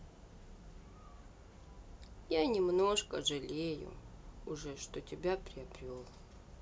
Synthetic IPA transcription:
janʲɪmno̞ʂkəʐɨlʲejʊ̰ʊʐɛʂt̪otʲɪbʲapɾʲɪɐbɾʲolˠ

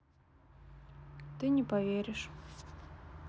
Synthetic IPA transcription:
t̪ɨnʲɪpɐvʲeɾʲɪʂ

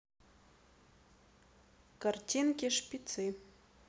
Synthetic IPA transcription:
kʼartʲʰinɡʲiʂpʲʼit͡sʰɨ

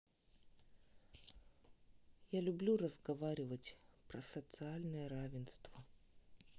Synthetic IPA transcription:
jalʲʊblʲurəzɡɐvaɾʲɪvətʲpɾəsət̪sɨalʲnɨjəɾavʲɪnst̪və

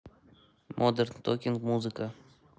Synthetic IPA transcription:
mʔod̪eɾnt̪ʰokʲɪŋkmuzɨkʰa

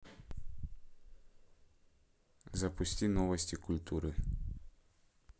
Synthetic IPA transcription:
zɐpʊsʲtʲinovɐsʲtʲikʊlʲt̪uɾɨ

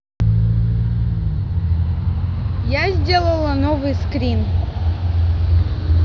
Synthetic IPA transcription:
jazʲdʲelˠəlˠɐnovɨjskɾʲin

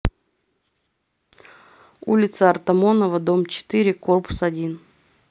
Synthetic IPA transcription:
ṵlʲɪt̪səɐrt̪ɐmo̞nəvəd̪o̞mt͡ɕɪ̥t̪ɨɾʲɪko̞rpʊ̥sɐdʲin

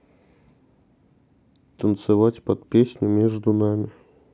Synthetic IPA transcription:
t̪ənt̪sɨvatʲpɐt̪pʲesʲnʲʊmʲeʐd̪ʊnamʲɪ

